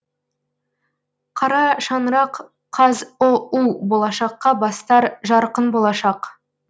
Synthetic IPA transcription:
qʰɑɾɑʃɑnɾɑqʰ | ɑzʊuwbolˠɑʃɑqːɑbɑst̪ɑɾʒɑɾqənbo̞lˠɑʃɑq

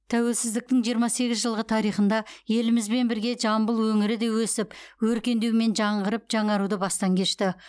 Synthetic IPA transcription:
t̪ʰæwe̞lsɪzd̪ɪk̚t̪ɪŋʒijəɾmɑse̞ɡʲɪzʒəlˠʁət̪ʰɑɾijχənd̪ɑje̞lɪmɪzbe̞nbɪɾɡʲe̞ʒɑmbəlˠwɵŋɪɾɪd̪e̞wɵsɪpwɵɾkʲe̞nd̪ewme̞nʒɑɴʁəɾəp̚ʒ̥ɑɴɑɾud̪əbɑst̪ɑŋkʲʰe̞ʃt̪ɪ

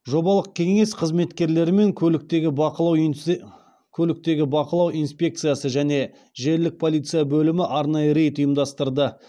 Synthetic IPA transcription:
ʒo̞bɑlˠəq̚kʲʰe̞ŋe̞sqʰəzme̞t̪kʲe̞ɾle̞ɾɪme̞ŋkʲʰɵkt̪eɡʲɪqlˠɑw | kʲʰɵlɪk̚t̪e̞ɡʲɪbɑqəlˠɑwʔijnspʲe̞k̚t̪sɨjasəʒæne̞ | ʒe̞ɾlɪk̚pʰo̞lˠijt̪sɨjabɵlɪmɪʔɑɾnɑjəɾe̞jt̪ʊjəmd̪ɑst̪əɾd̪ə

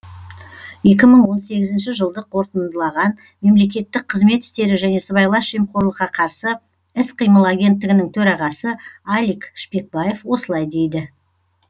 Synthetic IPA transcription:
je̞kʲɪməɴwo̞nse̞ɡʲɪzɪnʃɪʒəlˠd̪əqʰo̞ɾt̪ənd̪əlˠɑʁɑn | me̞mle̞k̬ʲe̞t̪ːɪk̚qʰəzme̞t̪ɪ̥st̪e̞ɾɪʒæne̞səbɑjlˠɑʃʒemqʰo̞ɾlˠəqːɑqʰɑɾsə | ɪsqʰijməlˠaɡʲe̞nt̪ːɪɡʲɪnɪŋt̪ʰɵɾɑʁɑsəalikʃpe̞k̚bɑje̞fwo̞səlˠɑjd̪e̞jd̪ɪ

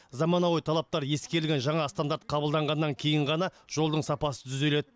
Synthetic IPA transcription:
zɑmɑnɑwojt̪ʰɑlˠɑp̚t̪ɑɾje̞skʲe̞ɾɪlɡʲenʒɑɴɑst̪and̪aɾt̪̚qʰɑbəlˠd̪ɑɴʁɑnːɑŋkʲʰe̞jɪɴʁɑnɑʒ̥o̞lˠd̪əɴsɑpɑsə̥t̪ʰʏze̞le̞d̪

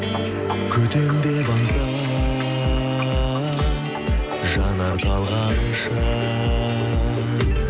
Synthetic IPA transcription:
kʲʰɵt̪emd̪e̞bɑɴzɑ | ʒɑnɑɾt̪ʰɑlˠʁɑnʃə

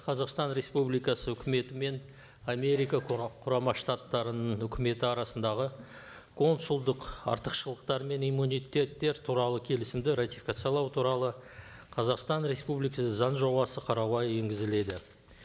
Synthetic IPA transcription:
qʰɑzɑqst̪ɑnɾe̞spublijkɑsəʏkʲɪme̞t̪ɪme̞n | ame̞ɾijkaqʰʊɾɑmɑʃt̪at̪ːɑɾənəɴʏkʲʰɪme̞t̪ɪɑɾɑsənd̪ɑʁə | kʰo̞nsulˠd̪əqɑ̰ɾt̪əqʃəlˠəqt̪ɑɾme̞nimːunijt̪ʲːe̞t̪ːe̞ɾt̪ʰuɾɑlˠəkʲʰe̞lɪsɪmd̪ɪɾat̪ʲifʲikat̪sijalˠɑwt̪ʰuɾɑlˠəqʰɑzɑqst̪ɑnɾe̞spublijkɑszɑnʒo̞bɑsəqʰɑɾɑɑje̞ŋɡʲɪzɪle̞d̪ɪ

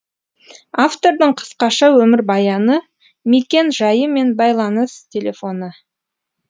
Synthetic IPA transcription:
aft̪o̞ɾd̪əɴqʰə̥sqɑʃɑwɵmɪɾbɑjɑnə | mekʲe̞nʒɑjəme̞nbɑjlˠɑnəst̪ʲʰe̞lʲe̞fo̞nə

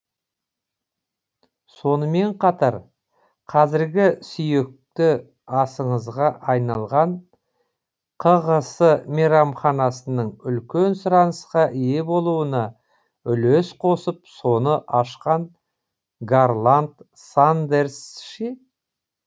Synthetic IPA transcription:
so̞nəme̞ɴqʰɑt̪ɑɾ | qʰɑzɪɾɡʲɪsʏje̞k̚t̪ɪ | ɑsəɴəzʁɑʔɑjnɑlˠʁɑɴ | qʰəʁəsəmʲeɾɑmχɑnɑsənəɴʏlkʲe̞nsʊɾɑnəsqɑʔije̞bo̞lˠuənɑ | ʏlesqʰo̞səpso̞nəʔɑʃqɑɴ | ɡarlˠant̪ | sand̪e̞rsʃe

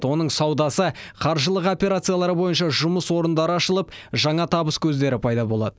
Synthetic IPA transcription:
wo̞nəɴsɑwd̪ɑsəqʰɑɾʒəlˠəqo̞pʲe̞ɾat̪sɨijalˠɑɾəbo̞jənʃɑʒʊməswo̞ɾənd̪ɑɾəɑʃəlˠəp̚ʒɑɴɑt̪ʰɑbəskʲʰɵzd̪e̞ɾɪpʰɑjd̪ɑbo̞lˠɑ̰d̪ə

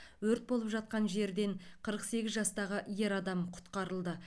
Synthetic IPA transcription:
wɵɾt̪̚bo̞lˠəpʒɑt̪̚qɑnʒe̞ɾd̪e̞ɴqʰəɾəqse̞ɡʲɪzʒɑst̪ɑʁəʔje̞ɾɑd̪ɑmqʰʊ̥t̪qɑɾəlˠd̪ə

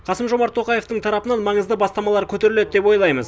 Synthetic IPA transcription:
qʰɑsəmʒo̞mɑɾt̪ʰːo̞qɑje̞ft̪əɴt̪ʰɑɾɑpənɑnmɑɴəzd̪əbɑst̪ɑmɑlˠɑɾkʲʰɵt̪e̞ɾɪle̞d̪̚d̪e̞pwo̞jlˠɑjməz

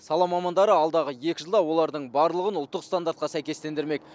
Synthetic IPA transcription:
sɑlˠɑmɑmɑnd̪ɑɾəɑlˠd̪ɑʁəje̞kʲɪʒəlˠd̪ɑwo̞lˠɑɾd̪əɴbɑɾləlˠəʁənʊlˠt̪ːəqst̪and̪aɾt̪̚qɑsæjkʲe̞st̪e̞nd̪ɪɾme̞k

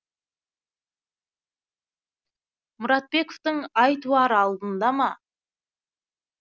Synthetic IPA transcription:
mʊɾɑt̪̚be̞koft̪əŋɑjt̪uɑɾɑlˠd̪ənd̪ɑmɑ

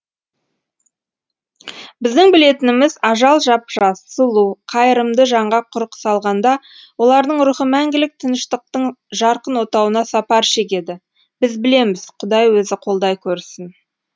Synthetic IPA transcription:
bɪzd̪ɪŋbɪle̞t̪ɪnɪmɪzɑʒɑlˠʒɑpʒɑsəlˠuqʰɑjəɾəmd̪əʒɑɴʁɑqʰʊɾqə̥sɑlˠʁɑnd̪ɑ | wo̞lˠɑɾd̪əɴɾuχəmæŋɡʲɪlɪk̚t̪ʰənəʃt̪əq̚t̪əɴʒɑɾqənwo̞t̪ɑwənɑsɑpɑɾʃe̞k̬ʲe̞d̪ɪ | b̥ɪzbɪle̞mɪz̥qʰʊd̪ɑjwɵzɪqʰo̞lˠd̪ɑjkʲʰɵɾsɪn

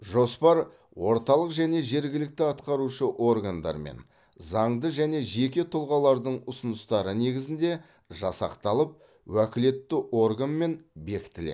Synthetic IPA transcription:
ʒo̞spɑɾ | wo̞ɾt̪ɑlˠəqʒæne̞ʒe̞ɾɡʲɪlɪk̚t̪ɪɑt̪qɑɾuʃəʔo̞rɡand̪ɑ̰ɾmḛn | zɑɴd̪əʒæne̞ʒe̞kʲe̞t̪ʰʊlˠʁɑlˠɑɾd̪əɴʊsʊnəst̪ɑɾəne̞ɡʲɪzɪnd̪e̞ | ʒɑsɑ̰qt̪ɑlˠəp̚ | wækʲɪle̞t̪ːɪʔo̞rɡanme̞nbe̞kʲɪt̪ɪlḛ

